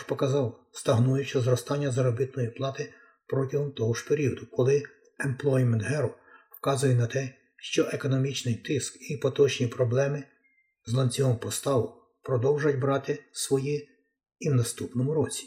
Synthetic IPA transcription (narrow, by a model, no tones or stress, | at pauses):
pɔkɐzɑwst̪ɐɦnujʊt͡ʃɐzɾɔst̪ɑnʲːɐzɐɾɔbɪt̪̚nɔjiplˠɑt̪ɪ | pɾɔtʲɐɦɔmt̪ɔɦɔʒpeɾʲiɔd̪ʊkɔlˠɪ | emplˠɔjmɛnt̪ɦɛɾɔ | wkɑzʊjɛnɐt̪ɛ | ʃt͡ʃɔʔekɔnɔmʲit͡ʃnɪjt̪ɪskipɔt̪ɔt͡ʃnʲipɾɔblˠɛmɪ | zlˠɐnʲt͡sʲɔɦɔmpɔst̪ɑʋʊ | pɾɔd̪ɔwʒʊjɐt̚ʲbɾɑt̪ɪsʋɔji | iwnɐst̪upnɔmʊɾɔt͡sʲi̥